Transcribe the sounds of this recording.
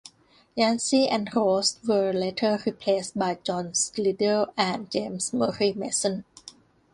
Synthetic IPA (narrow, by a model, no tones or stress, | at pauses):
jɛ̃nsiʔɛ̃nɹostwəletʰəɹipʰleːsbajd͡ʒɔ̃nslidəʔæ̃nd͡ʒẽmsməɹimesə̃n